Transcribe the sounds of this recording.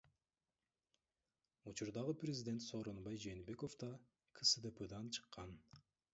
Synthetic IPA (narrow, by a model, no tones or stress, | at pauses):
ut͡ʃuɾd̪ɑʁɯprʲɪzʲɪdʲe̞nt̪so̞ːɾo̞nbɑjd͡ʒe̞ːnbe̞ko̞fd̪ɑ | kʰɨsɨd̪ɨpɯd̪ɑnt͡ʃʰɨ̥qːɑn